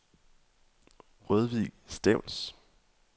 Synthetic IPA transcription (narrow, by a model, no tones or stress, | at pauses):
ʁœðˠʋisd̥ɛʊls